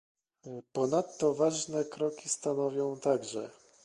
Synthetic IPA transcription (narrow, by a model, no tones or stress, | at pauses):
pɔnat̪ːɔvaʐnɛkɾɔkʲist̪anɔvʲjɔ̃w̃t̪aɡʐɛ